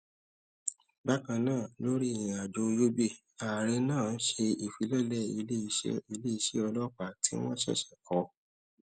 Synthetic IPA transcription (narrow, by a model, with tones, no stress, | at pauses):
ba˦kã˧nãː˦˨lo˦ɾĩ˦˨ĩĩ˨a˨do˧jo˦be˦˨ | a˨ɾɛ˧nãː˦˨n̩˦ʃe˧i˨fi˨˦lɔ˦˨lɛ˦˨i˧le˦i˧ʃi˧le˦i˧ʃɛ˦ɔ˧lɔ˦k͡pa˨˦tḭ˦w̃ɔ̃˦ʃɛ̰˦˨ʃɛ̥˨kʰɔ˨˦